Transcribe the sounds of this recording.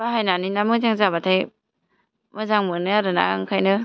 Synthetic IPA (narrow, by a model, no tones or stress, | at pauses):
baɦajnaninamɯzaŋzabatʰaj | mɯzaŋmɯnɯaɾɯna̰ŋkʰajnɯ